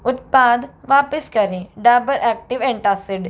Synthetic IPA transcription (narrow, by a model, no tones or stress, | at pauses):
ʊt̪̚paːd̪ʋaːpəskəɾẽːɖajbəɾʔɛːk̚ʈɪʋɛ̃ɳʈaːsɪɖ